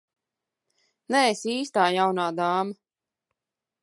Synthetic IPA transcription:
nɛesiːst̪aːjawnaːd̪aːma

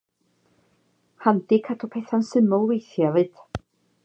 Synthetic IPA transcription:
hant̪ɪkʰat̪ʰɔpʰejθansɪmowvejθjavɪt̪

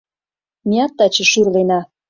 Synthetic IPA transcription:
miɑt̪ːɑt͡ɕə̆ʃurlenɑ

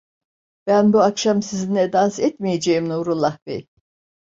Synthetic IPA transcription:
b̥ænbuakʃamsizinlɛd̪ansɛt̪mijed͡ʒejimnuɾulˠːahbej̪

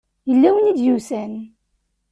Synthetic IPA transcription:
jəlːæwənid̪jusæn

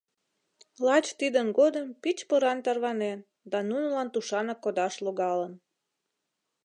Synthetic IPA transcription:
lɑt͡ɕt̪id̪ənɡod̪əmpit͡ɕpoɾɑnt̪ɑrβɑnen | d̪ɑnunəlɑnt̪uʃɑnɑkːod̪ɑʃloɣɑlən

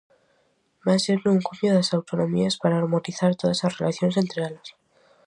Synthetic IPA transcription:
baseɾeuŋkomjoeasawt̪o̞nõ̞miaspaɾaːɾmot̪iθaɾt̪o̞ðaslasrelʔaθjo̞nse̞nt̪ɾealas

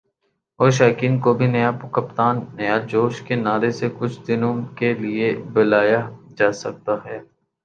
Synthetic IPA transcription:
ɔːɾʃ̬aːkiːnkobʱinɐjapʊkɐpt̪aːnːɐjad͡ʒoːʃkenaːɾesekʊt͡ʃʰd̪ɪnõkeliebɐlaːjad͡ʒaːsɐk̚t̪aɦɛː

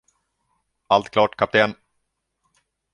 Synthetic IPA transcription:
alt̪kʰlɑːʈkʰap̚t̪ʰeːn

